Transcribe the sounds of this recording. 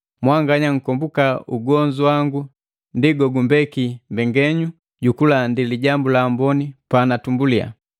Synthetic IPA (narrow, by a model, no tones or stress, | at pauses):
mwaŋɡaɲaŋ̩kɔmbukauɡɔɲd͡ʒuwaŋɡu | ndiɡɔɡumbɛkimbɛŋɡɛɲu | ɟukulandiliɟambulaːmbɔnipanatumbulia̰